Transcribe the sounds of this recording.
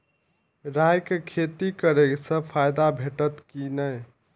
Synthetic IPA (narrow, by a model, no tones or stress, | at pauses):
ɾajkekʰet̪ikəɾeksə̃pʰajd̪abʱeʈət̪kinəj